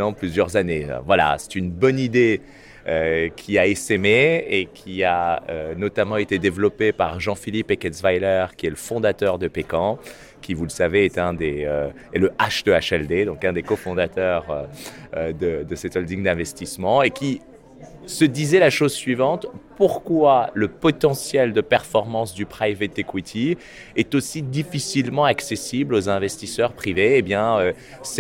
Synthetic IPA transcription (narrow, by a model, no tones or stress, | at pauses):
ɑ̃plyzjœʁzanḛvwala̰sɛ̥t̪ynbɔnid̪e | økʲʰiaesemeekʲʰiaønɔt̪amɑ̃et̪ed̪evlɔpepaʁʒɑ̃filipekɛt̪svajlœʁkʲiɛləfɔ̃d̪at̪œʁd̪əpekɑ̃ | kʲivuləsaveɛt̪ɛ̃d̪eø | ɛləʔaʃd̪əaʃɛld̪ed̪ɔ̃kɛ̃d̪ekɔfɔ̃d̪at̪œʁøød̪əd̪əset̪ɔld̪iŋd̪ɛ̃vɛst̪ismɑ̃ekʲi | səd̪izɛlaʃozsɥivɑ̃t̪puʁkwaləpɔt̪ɑ̃sjɛld̪əpɛʁfɔʁmɑ̃sd̪ypχajvet̪ekwit̪ʰi | ɛt̪osid̪ifisilmɑ̃aksesiblozɛ̃vɛst̪isœʁpχiveːbjɛ̃ø | s